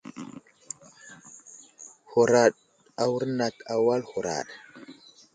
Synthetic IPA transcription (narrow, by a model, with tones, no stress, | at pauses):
ho˨ɾa˨ɗ | a˨wu˦ɾna˨ta˨wa˦lho˨ɾa̰˨ɗ